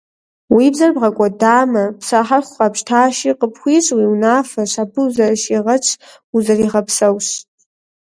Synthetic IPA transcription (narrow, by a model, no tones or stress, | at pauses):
wibzarbʁakʷʼadaːmɐpʰsaħarχʷχapʃtʰaːʃiqʼəpʰχʷiʂʷʼwiwnaːfɐʃʷabɨuzɐrʃiʁɐt͡ʃʰ | uzɐriʁɐpʰsɐwɕ